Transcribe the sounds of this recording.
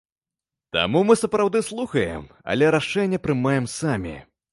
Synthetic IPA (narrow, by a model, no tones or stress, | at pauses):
t̪a̰mumɨsɐpɾawd̪ɨslˠuxɐjɛ̰m | ɐ̰lʲɛɾaʂɛnʲːɛpɾɨmajɛmsamʲḭ